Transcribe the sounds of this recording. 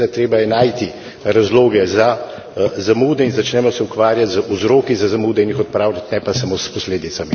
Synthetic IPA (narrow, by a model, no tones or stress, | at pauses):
t̪ɾeːbajɛnaːjt̪i | ɾazloːɡɛza | zamuːd̪ɛinzat͡ʃnɛːmɔsɛukʋaːɾjat̪zuzɾoːkizazamuːd̪ɛinjixɔt̪̚pɾaːʊlʲat̪nɛpasamoːspɔsleːd̪it̪sami